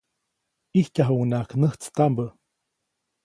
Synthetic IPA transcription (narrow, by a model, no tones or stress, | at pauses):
ihkaɦunaknəht͡st̪ambə